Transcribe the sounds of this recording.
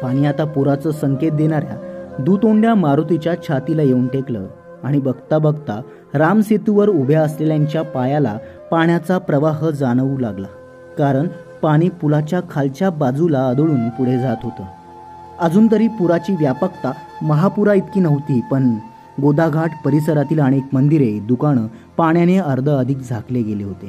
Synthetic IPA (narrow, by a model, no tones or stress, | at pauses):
paɽ̃iːat̪apuɾat͡səːsəŋket̪̚d̪eɽ̃aɾja̰d̪ut̪oɳɖjamaɾot̪it͡ɕjat͡ɕʰat̪ilajeuɳʈeklə̰ | aɽ̃ibəɡt̪abəɡt̪a | ɾamset̪uʋəɾubʱjaəsleljaɲt͡ɕjapajala̰ | paɳjat͡sapɾəʋaɦəd͡zaɽ̃ʋuːlaɡla̰ | kaɾəɳ | paɽ̃iːpulat͡ɕjakʰalt͡ɕjabad͡zulaəd̪oɭuːnpuɽ̤ed͡zat̪ɦot̪ə̰ː | əd͡zuːnt̪əɾiːpuɾat͡ɕiːʋjapəkt̪aməɦapuɾait̪kiːnəʋt̪iːpəɳ | ɡod̪aɡʱaʈpəɾisəɾat̪iːlaɽ̃iekmənd̪iɾed̪ukaɳ̃əpaɳjaneəɾd̪ʱəəd̪ʱiːkd͡zʱakleɡeleɦot̪e